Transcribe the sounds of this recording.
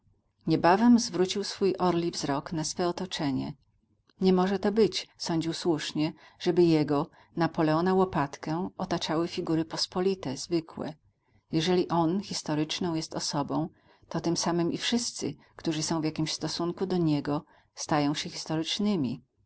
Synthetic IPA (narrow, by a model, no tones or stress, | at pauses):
ɲɛbavɛmzvɾut͡ɕiwsfujʔɔɾlʲivzɾɔknasfɛɔt̪ɔt͡ʂɛɲɛ̰ | ɲɛmɔʐɛt̪ɔbɘt͡ɕsɔɲd͡ʑiwswuʂɲɛʐ̥ɛbɘjɛɡɔ | napɔlɛɔnawɔpat̪kɛ̃ɔt̪at͡ʂawɘfʲiɡuɾɘpɔspɔlʲit̪ɛzvɘkwɛ̰ | jɛʐɛlʲiʔɔnxʲist̪ɔɾɘt͡ʂnɔ̃w̃jɛst̪ɔsɔbɔ̃w̃ | t̪ɔt̪ɘmsamɘmʔifʂɘst̪sɘ̰ | kt̪uʐɘsɔ̃w̃vjakʲimɕst̪ɔsuŋkud̪ɔɲɛɡɔ | st̪ajɔ̃w̃ɕɛxʲist̪ɔɾɘt͡ʂnɘmʲḭ